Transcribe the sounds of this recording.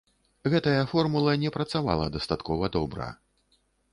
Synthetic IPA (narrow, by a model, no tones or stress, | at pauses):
ɣɛt̪ɐjɐfɔrmulˠɐnʲɛpɾɐt̪sava̰lˠɐ̰d̪ɐst̪at̪kɔvɐd̪ɔbɾɐ̰